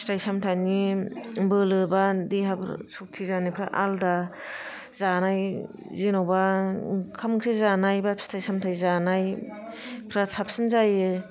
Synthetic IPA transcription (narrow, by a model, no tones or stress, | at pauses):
stajsamtʰanibɯlɯbadiɦabɾsuk̚tʰizanipʰɾaʔalda | zanaj | zenawba | kʰamkʰɾezanajbastʰajsamtʰajzanaj | pʰɾasʰap̚sɯnzajɯ